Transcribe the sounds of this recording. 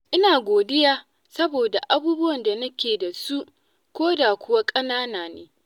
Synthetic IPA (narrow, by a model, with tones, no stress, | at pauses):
ʔɪ˦naː˨ɡʷoː˨dɪ˦jaː˦ | sɐ˦boː˨da˨ʔa˦buː˦bʊ˦wɐ˨nda˨nɐ˦kʲeː˨da˨su˦ʔ | kʷoː˦da˨kʷʊ˦wa˦kʼɐ˦naː˦naː˨neː˦